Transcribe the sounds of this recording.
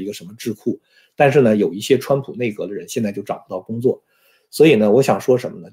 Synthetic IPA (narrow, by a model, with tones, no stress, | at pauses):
i˧˥ɡə˧ʂə˧˥nmə˧ʈ͡ʂɻ̩˥˧kʰu˥˩ | t̪a˥˧nʂ̬ɻ̩˥˩nə˩jo˨˩ʊi˥˩ɕjɛ˥ʈ͡ʂʰwa˥npʰu˨˩ne˥˩ɪkɤ˧˥d̪ə˧ɻə˧˥nɕjɛ˥˧nt͡sa˥˧jo˥˩ʊʈ͡ʂɑ˨˩ŋpu˧˥t̪ɑ˥˩ʊkʊ˥ŋt͡swɔ˥˩ | swɔ˧˥i˨˩nə˦wɔ˧˥ɕjɑ˨˩ŋʂwɔ˥ʂə˧˥nmə˧nə˧